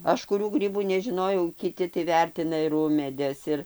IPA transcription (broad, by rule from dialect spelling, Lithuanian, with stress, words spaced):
ˈɐʃ kʊˈrʲuː ˈɡrʲiːbuː nʲɛˈʒʲɪnoːjɛʊ kʲɪˈtʲɪ tɐɪ ˈʋʲɛrʲtʲɪnɐ ɪr ˈʊmʲeːdʲɛs ˈɪr